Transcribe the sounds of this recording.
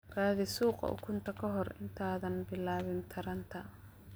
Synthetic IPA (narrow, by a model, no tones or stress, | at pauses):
raːðɪsuːqɐ̰ʔʊ̰kʰʊnt̪ʰɐkʰɐɦɔrɪ̰nt̪ʰaːðɐnbɪlaːβɪnt̪ʰɐɾɐnt̪ʰɐ